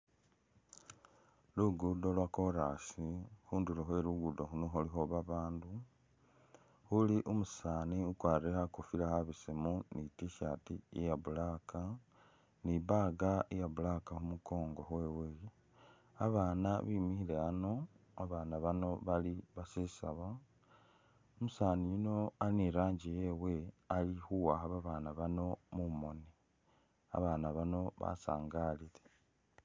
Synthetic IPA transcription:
luɡudo̞lwako̞ɾasixuːnduloxwe̞ɾuɡudo̞xunoxulixo̞βaβaːndu | xuliʔumusaːniukwaːɾrexakufilaxaβisimunitiʃatiijaβulaka | niβaɡaijaβulakaxumuko̞ːŋɡo̞xwe̞we | aβaːnaβiːmihileano̞aβaːnaβano̞βaliβasisaβa | omusaːnijino̞aniɾaːɲɟije̞ːwe̞alixuwaxaβaβaːnaβano̞mumo̞ni | a̰βaːnaβano̞βa̰sa̰ːŋɡaːlile

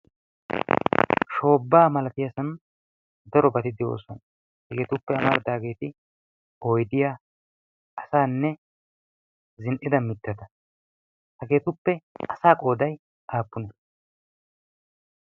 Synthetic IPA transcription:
ʃo̞ːbːaːmɐlɐt̪ɪjɐsɐn | d̪ɐɾɔbɐt̪ɪd̪ɪo̰ːsɔn | hɐɡe̞ːt̪ʊpːɛɐmɐɾd̪aːɡe̞ːt̪ɪ | ojd̪ɪjaː | ɐsaːnːɛ | zɪnʔɪd̪ɐmɪt̪ːɐd̪ɐ | hɐɡe̞ːt̪ʊpːɛɐsaːkʼo̞ːd̪ɐj | ʔaːpːʊnɐ

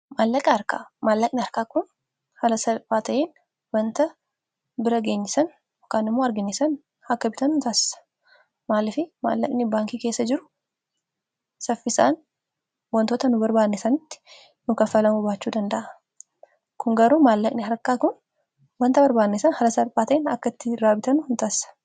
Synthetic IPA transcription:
maːlːɐkʼɐɐɾka̰ːmaːlːɐkʼnɪɐɾkaːkʊn | hɐlɐsɐfaːt̪ɐʔeːn | wɐnt̪ɐ | bɪɾɐɡe̞ːɲːɪsɐn | ɔkːaːnɪmːoːɐɾɡɪnesɐn | hɐkːɐbɪt̪ɐnʊnt̪aːsɐ̥ | maːlːɪfɪma̰ːlːɐ̰kʼnɪbaːŋkiːkeːsːɐd͡ʒɪɾʊ̥ | sɐfːɪsa̰ːn | wɐnt̪oːt̪ɐnʊbɐɾbaːd̪nesɐnɪt̪ːɪ̥ | nʊkɐfɐlɐmʊbaːt͡ʃːuːd̪ɐnd̪ɐʔɐ | kʊŋɡɐɾuːmaːlːɐkʼnɪɦɐɾkːaːkʊn | wɐnt̪ɐbɐɾbaːd̪neːsɐnhɐlɐsɐlpaːt̪ɐʔenɐkːɐt̪ːɪɾaːbɪt̪ɐnʊhʊnt̪aːsɐ̥

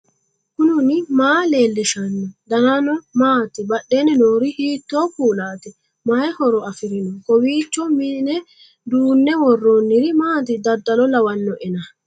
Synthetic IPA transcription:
kʊnʊnɪmaːle̞ːlːɛʃɐnːɔd̪ɐnanɔmaːt̪ɛbɐɗːeːnɛnoːɾɪhiːt̪ːoːkuːlaːt̪ɛ | majɛhɔɾɔɐfɪɾɪnɔkɔwiːt͡ʃːɔmɪnɛ | d̪uːnːɛwɔrːonːɪɾɪmaːt̪ɪd̪ɐd̪ːɐlɔlɐwɐnːɔʔɛnɐ

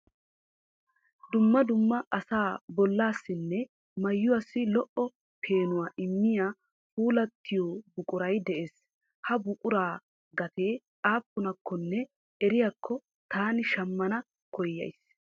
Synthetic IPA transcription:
d̪ʊmːɐd̪ʊmːɐʔɐsaːbɔlːaːsːɪnːɛ | mɐjːʊwɐsːɪlɔʔɔ | pʰeːnʊwaːʔɪmːɪjaː | fuːlɐt̪ʰːɪjoːbʊkʼʊɾɐjd̪ɛʔeːs | hɐbʊkʼʊɾaː | ɡɐt̪e̞ː | aːpːʊnɐkːɔnːɛ | ɛɾɪjakʰːɔ | t̪ʰaːnɪʃɐmːɐnɐ | kʰɔjːɐ̰js

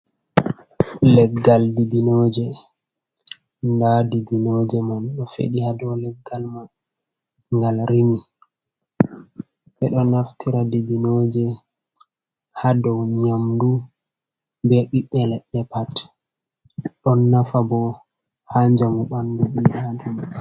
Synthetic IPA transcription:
lɛɡːaldibinɔːd͡ʒɛ | ndadibinod͡ʒɛmanɗɔfḛɗihadɔwlɛɡːalman | ŋɡalɾimi | ɓɛɗɔnaftʰiɾadibinod͡ʒɛ | hadɔwɲamdu | bɛɓiɓɛlɛɗːɛpat | ɗɔnːafabɔ | haɲd͡ʒamuɓanduɓiʔadum

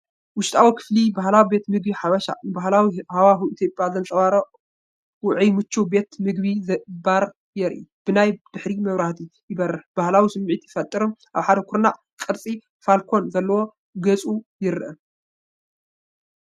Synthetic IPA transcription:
wʊʃt̪ʼawikʰɨ̥flibaɦlawibe̞t̪mɨɡbiħaβɐʃa̰nɨbaɦlawihawaxiʔit̪ʰjopʼjazɐnt̪ʼɐβaɾɐʔ | wʊʕimɨt͡ʃʰːube̞t̪mɨɡβizɐbaɾ | jɛɾʔib̥ɨnajd̪̥ɨħɾimɐβɾaht̪ʰijɪbɐɾɐħb̥ahlawisɨmːʕit̪jɪfɐt̪ʼːɨɾomʔaβħad̪ɐkʰuɾnaʔ | kʼɨɾt͡sʼi | falkʰo̞nzɐlːɐwo̞ | ɡɐt͡sʼujɪɾɨʔɨ̰

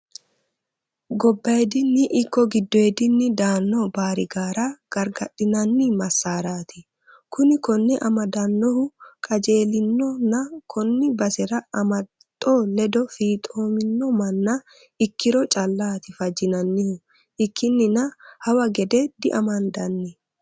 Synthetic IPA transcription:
ɡɔbːɐjɛd̪ɪnːɪʔːkːɔɡɪd̪ːɔɛd̪ɪnːɪd̪aːnːɔbaːɾɪɡaːɾɐɡ̥ɐɾɡɐɗɪnɐnːɪmɐsːaːɾaːt̪ɪ | kʊnɪkɔnːɛʔɐmɐd̪ɐnːɔhʊkʼɐd͡ʒe̞ːlɪnːɔnɐkʰɔnːɪbɐsɛɾɐɐmɐtt̪ʼːɔlɛd̪ɔfiːt̪ʼoːmɪnːɔmɐnːɐ | ɪkːɪɾɔt͡ʃʼɐlːaːt̪ɪfɐd͡ʒɪnɐnːɪhʊ | ɪkːɪnːɪnɐhɐwɐɡɛd̪ɛd̪̥ɪʔɐmɐnd̪ɐnːɪ

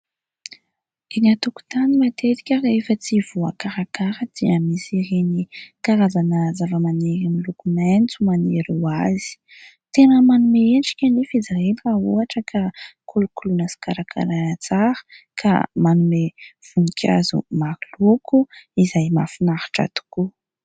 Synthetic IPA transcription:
eɲat̪uku̥t̪animat̪et̪i̥kʲəɾefət͡siv̥uakaɾakaɾəd̪̥iamisirenikaɾazanəzavəmaneɾamilukunant͡sumaneɾuwazi̥ | t̪enəmanumeenʈ͡ʂi̥kʲanifid͡zaɦelraɦuaʈ͡ʂəkʰakʰulukulunəsi̥kaɾakʰa̰ɾanat͡saɾə̥kʰa̰manumev̥unikʲʰa̰zṵmaɾilukuizajma̰finahḁʈ͡ʂa̰t̪u̥ku

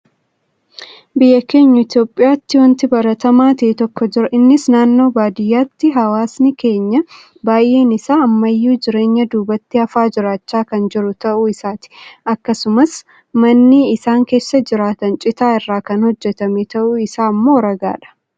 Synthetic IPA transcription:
bɪjːɐke̞ːɲːɐɪt̪jo̞ːpʼːɪjaːt̪ːɪwɔnt̪ɪbɐɾɐt̪ɐmaːt̪ɪʔɪt̪ɔkːɔd͡ʒɪɾɐʔɪnːɪsnaːnːo̞ːbaːd̪ɪjːaːt̪ːɪɦɐwaːsnɪke̞ːɲːɐ | baːjʔe̞ːnɪsaːɐmːɐjːuːd͡ʒɪɾe̞ːɲːɐd̪uːbɐt̪ːɪɐfaːd͡ʒɪɾaːt͡ʃːaːkɐnd͡ʒɪɾʊt̪ɐʔuːɪsaːt̪ɪ̥ɐkːɐsʊmɐs | mɐnːiɪsaːŋke̞ːsːɐd͡ʒɪɾaːt̪ɐnt͡ʃʼɪt̪aːɪrːaːkɐnhɔd͡ʒːɛt̪ɐmeːt̪ɐʔuɪsaːmːoːɾɐɡa̰ːᶑɐ̥

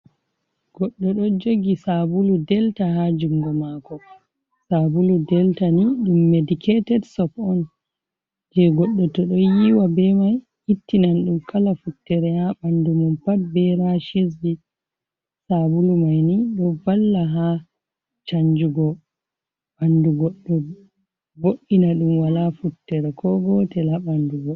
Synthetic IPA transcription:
ɡ̥ɔɗːɔɗɔd͡ʒoɡisabuludɛltaɦad͡ʒumɡɔmakɔ | sabuludɛltaniɗumːedikʰetɛdsɔpɔn | d͡ʒɛɡɔɗːɔtɔɗɔjiwabɛmaj | hitːinanɗumkʰalafutːɛɾɛhaɓandumɔmpat̚bɛɾaʃes̬bi | sabulumajniɗɔbalːaɦa | t͡ʃaɲd͡ʒuɡɔ | ɓanduɡɔɗːɔ | boɗːinaɗumwalafutːɛɾɛkʰɔɡɔtɛlaɓanduɡɔ

